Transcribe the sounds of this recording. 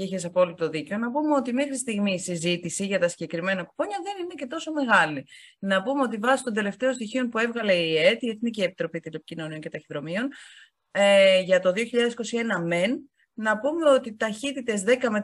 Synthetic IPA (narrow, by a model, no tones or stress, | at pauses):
içes̬ɐpo̞lit̪o̞ðice̞o̞nɐpume̞o̞t̪ime̞xɾist̪iɣmiːsizit̪isiʝɐt̪ɐsiɟe̞kɾime̞nɐku̥po̞ɲɐðe̞nine̞ce̞t̪o̞so̞me̞ɣɐlinɐpumeot̪ivɐsist̪o̞nd̪e̞le̞ft̪e̞ost̪içio̞npue̞vɣɐle̞iet̪ie̞θnicie̞pit̪ɾo̞pit̪ilepi̥cino̞nio̞nce̞t̪ɐçiðɾo̞mio̞n | eʝɐt̪o̞ðio̞çiʎɐðeiko̞sie̞nɐme̞nː | ɐpume̞o̞t̪it̪ɐçit̪it̪e̞zðe̞kɐme̞